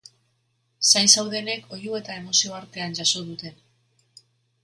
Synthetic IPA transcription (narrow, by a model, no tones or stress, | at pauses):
sajnsawðe̞ne̞ko̞jue̞t̪ae̞mo̞sio̞aɾt̪e̞and͡ʑaso̞ðut̪e̞n